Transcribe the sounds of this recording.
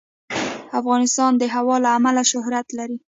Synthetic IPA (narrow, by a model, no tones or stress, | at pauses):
afɣɑnɪst̪ɑnd̪əɦawɑlaːmalaʃʊhɾat̪laɾi